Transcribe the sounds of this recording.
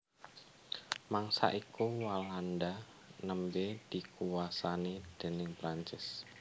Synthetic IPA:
maŋsa̰ʔikuwalanda | nəmbed̥ikuwasanid̥ə̤nɪŋpɾaɲt͡ʃɪs

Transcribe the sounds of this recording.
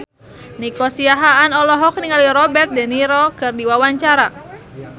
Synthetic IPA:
nikosiaɦaːnɔlɔɦɔk̚niŋaliɾɔbɛrt̪̚dɛniɾɔkɨrdiwawaɲt͡ʃaɾa

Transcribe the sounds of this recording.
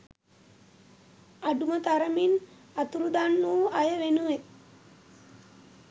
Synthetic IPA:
aɖumət̪aɾəmin | at̪uɾud̪anːuːʔajəʋenuʋe

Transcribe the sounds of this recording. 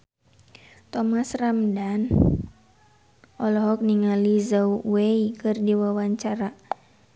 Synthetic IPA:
t̪ɔmasramdan | ʔɔlɔɦɔk̚niŋalizauweikɨrdiwawaɲt͡ʃaɾa

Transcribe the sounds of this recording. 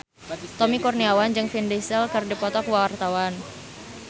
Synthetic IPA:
t̪ɔmikurniawand͡ʒɨŋfindisəlkɨrdipɔt̪ɔkwawart̪awan

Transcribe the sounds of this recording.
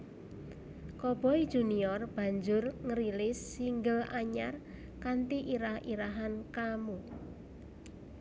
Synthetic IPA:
kɔb̥ɔi̥d͡ʒ̥ṳniɔrb̥a̤ɲd͡ʒʊrŋəɾilɪsːiŋɡəlaɲar | kant̪iʔiɾahiɾaɦankamu

